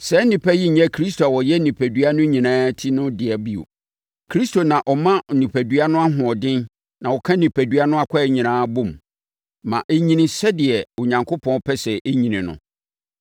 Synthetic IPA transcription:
sɛ˦nɪ̃˨pʰɛ˦ji˦ɲ̩˨ɲɛ̃˦kʰɾi˦s̬to˨a˨wɔ˨jɛ˦nĩ˨pʰæ˨dɥa˦nʊ̃˦ɲĩ˨nãː˦tʰi˦nʊ̃˦dɪ˨ɛ˨bi˦o̰˨ | kʰɾi˦stʰo˨nã˨ʔɔ˨mã˦˨nĩ˨pʰæ˨du˨˦a˦nʊ̃˦a˦ɦʊ̃˨ɔ˨dɪ̃˦n | nã˨wɔ˨kʰã˦nĩ˨pʰæ˨du˨˦a˦nʊ̃˦a˦kʷʰa˦˨ɲĩ˨nãː˦bõ˦˨mː | ã̰˨ʔe˦ɲĩ˨nĩ˨sɛ˦dɪ˨ɛ˨o˨ɲã˨ŋkʰo˦pʰɔ̃˦pʰɛ˦sɛ˨ʔe˦ɲĩ˨nĩ˨nʊ̰̃˨

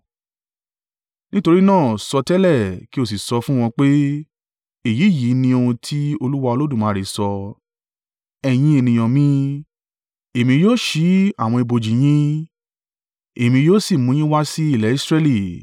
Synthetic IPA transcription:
nĩ˦to˧ɾi˦nãː˦˨sɔ˧tɛ˦lɛ˦˨ki˦o˦˨s̬i˨sɔ˧fũ˦w̃ɔ̃˧k͡pe˦ | e˨ji˨˦˨ji˨˦nĩ˧o˧hũ˧tʰi˦o˧lu˦wa˦˧o˧lo˦dũ˦˨mãː˨˦ɾe˨sɔ˧ | ɛ˧j̃ĩ˧˦e˧nĩ˨j̃ɔ̃˨mĩ˦ | e˨mĩ˧joː˦ʃi˨˦a˦˨w̃ɔ̃˧i˧bo˨d͡ʒi˨j̃ĩ˦ | e˨mĩ˧joː˦si˦˨mũ˨˦ĩ˦wa˦si˦i˦˨lɛ˨˦i˦sɾɛ˦li˨

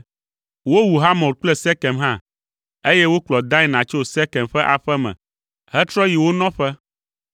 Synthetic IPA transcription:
wo˦wu˨ɦa˦mɔ̃˨lk͡plɛ˦sɛ˦kɛ˨mɦã˦ | e˦jɛ˦wo˦k͡plɔ˨d̪ã˦e˦˨nã˨t͡ʃo˦sɛ˦kɛ˨mɸɛ˦ʔa˨ɸɛ˦mɛ̰̃˨ | hɛ˦t̪ɾɔ˦ji˨wo˦nɔ̃˦ɸɛ˦

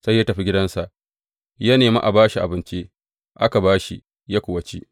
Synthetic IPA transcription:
sa˦jːaː˦tɐ˨ɸi˦ɡʲɪ˦dɐ˦nsa˨ʔ | ja˦neː˨mḭ˦ʔa˨baː˦ʃi˨ʔa̰˨bɪ˦nt͡ʃi˦ | ʔa˦ka˨baː˦ʃi˦ | ja˦kʷʊ˨wɐ˨t͡ʃi˦

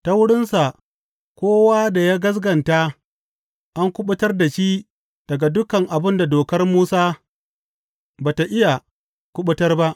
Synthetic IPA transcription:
ta˦wʊ˦ɽɪ˦nsa˨ | kʷoː˦waː˦da˨jaː˦ɡɐ˦s̬ɡɐ˨nta˦ | ʔa˦ŋkʷʊ˦ɓʊ˦tɐ˦rda˨ʃiː˦ | d̥ɐ˨ɡa˨dʊ˦kɐ˨ŋʔa˨bɪ˦nda˨doː˨kɐ˦rmuː˦saː˦ | baː˨ta˨ʔɪ˦ja˨ | kʷʊ˦ɓʊ˦tɐ˦rba˦ʔ

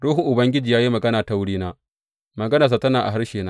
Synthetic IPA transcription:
ɾuː˦ɦʊ˨ʔʊ˨bɐ˦ŋɡʲɪ˦d͡ʒiː˨jaː˦ji˦mɐ˨ɡɐ˦naː˨ta˨wʊ˦ɽiː˦naː˦ | mɐ˨ɡɐ˦naː˨s̬a˨tɐ˦naː˨ʔa̰˨ɦa˦ɽʃeː˨naː˦

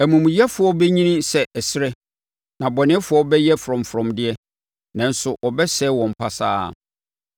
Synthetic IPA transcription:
æ˨mũ˨mũ˨jɛ˦fʊ˨˦ɔ˦bɛ˦ɲĩ˦nĩ˦sɛ˨ʔæ˨sɪ˦ɾɛ˦ | nã˨bɔ˨nɪ̃˦ɛ˦fʊ˦ɔ˦bɛ˦jɛ˦fɾɔ̃˨m˨fɾɔ̃˨mdɪ˦ɛ˦ | nã˨n˦sʊ˨ʔɔ˨bɛ˦sɛ˦wɔ̃˨m̩˨pʰa˨sa̰ː˦˨

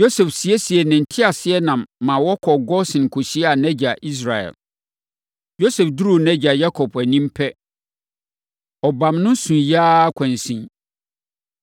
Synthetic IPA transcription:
jo˦sɛ˨fsi˨ɛ˦si˨ɛ˨nɪ̃˨n̩˨tʰɪ˦a˨sɪ˦ɛ˦nã˨mːã˨wɔ˦kʰɔ˨ɡɔ˦sɪ̃˨n˨kʰo˨ɕi˦ɛ˦a˨nɛ̃˦d͡ʑa˨ʔi˦s̬ɾa˨ɛ̰˨l | jo˦sɛ˨fdu˦ɾu˨nɛ̃˦d͡ʑa˨ja˦kʰɔ˨pʰæ˨nĩ˦mpʰɛ˦ | ɔ˨bã˨mnʊ̃˦sũ˨jaː˦kʷʰã˨n˨sĩ˦

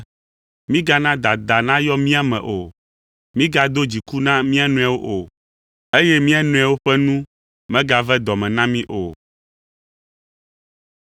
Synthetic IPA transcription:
mĩ˦ɡa˦nã˦d̪a˨d̪a˨nã˦jɔ˦mĩ˦a˨mɛ̰̃˨ʔo˨ | mĩ˦ɡa˨d̪o˦d͡ʑi˨ku˦nã˦mĩ˦a˦nũ˨˦a˨wo˦ʔo˨ | e˦jɛ˦mĩ˦a˦nũ˦a˨wo˦ɸɛ˦nũ˦ | mɛ̃˦ɡa˨vɛ˦d̪ɔ˨mɛ̃˨nã˦mĩ˦ʔo˨

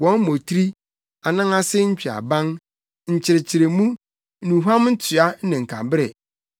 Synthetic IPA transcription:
wɔ̃˦n˦mo˨tʰɾi˦ | a˨nã˦ŋa˦sɪ˦ɲ̩˦t͡ɕᶣi˨a̰˨bã˦ŋ | ɲ̩˨t͡ɕʰɪ˨ɾɪ˨t͡ɕʰɪ˨ɾɪ˨mũ˦ | nũ˨ɦa˦m˦n̩˦tʰɥa˦nɪ̃˨ŋ̩˨kʰa˨bɪ˦ɾɛ˨

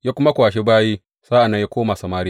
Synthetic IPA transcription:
jaː˦kʷʊ˦ma˦kʷwaː˨ʃe˦baː˦jiː˦ | saː˦ʔa˨nːa˦jaː˦kʷoː˦ma˨sɐ˨maː˦ɾi˦

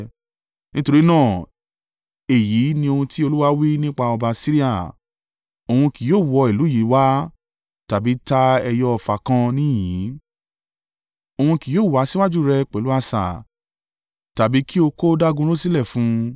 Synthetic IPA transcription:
nĩ˦to˧ɾi˦nãː˦˨ | e˨ji˨˦nĩ˧o˧hũ˧ti˦o˧lu˦wa˦wi˦nĩ˦k͡pa˧ɔ˧ba˧si˦ɾi˦a˦˨ | o˧hũ˧ki˨joː˦˨wɔ˨˧i˨lu˨˦ji˨˦wa˦ | ta˨bi˨˦ta˦ɛ˧jɔ˦ɔ˧˨fa˨kã˧nĩ˦jĩ˨˦ | o˧hũ˧ki˨joː˦˨wa˨˦si˦wa˦d͡ʒu˦˨ɾɛ˧k͡pɛ˨lu˦a˧sa̰˨ | ta˨bi˨˦ki˦o˧ko˦da˦ɡũ˧ɾo˦si˦lɛ˦˨fũ˨˦

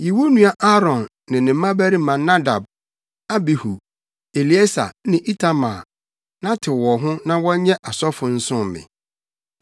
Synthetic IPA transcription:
ji˨wo˦nũ˦a˦ʔa˦ɾɔ̃˨nːɪ̃˨nɪ̃˨m̩˦mã˦bæ˦ɾi˦mã˨nːã˦da˨b̚ | a˦bi˨hu˨ | e˨li˨e˦sa̰˨nɪ̃˨ʔi˦tʰa˦ma˨ | nã˦tʰɪ˨wɔ˨ɦʊ̃˦nã˦wɔ˦ɲɛ̃˦ʔa˨sɔ˦fʊ̃˨n̩˦sʊ̃˦˨mɪ̰̃˨

